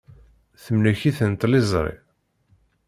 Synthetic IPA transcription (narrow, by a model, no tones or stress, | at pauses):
θəmnæçiθənt̪lizˤɾˤḛ